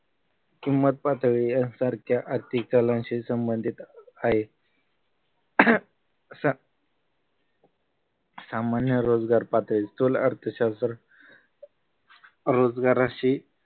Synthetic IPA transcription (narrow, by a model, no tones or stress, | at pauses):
kimːət̪̚pat̪ʋiənsaɾkjaʔaɾt̪ʰik̚t͡salãnɕisəmbənd̪ʱit̪aɦe | sa | samanjəɾod͡zɡaɾpat̪ɭist̪ula̰ɾt̪ʰəɕast̪ɾ | ɾod͡zɡaɾaɕi